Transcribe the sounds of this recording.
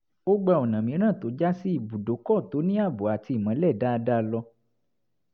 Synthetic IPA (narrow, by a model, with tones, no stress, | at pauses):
o˦ɡ͡ba˧ɔ˨nã˨mĩ˨˦ɾ̃ã˦˨to˨˦d͡ʒa˦si˦i˦˨bu˨do˨˦kɔ˦˨to˨˦nĩ˦a˦˨bo˨a˨ti˧i˨mã˨˦lɛ˦˨da˦˧da˦˧lɔ˧